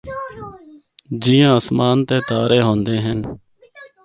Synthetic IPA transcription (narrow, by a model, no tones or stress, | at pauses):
d͡ʒiːãːəsmaːnt̪eːt̪aːɾeːɦõːnd̪eːɦən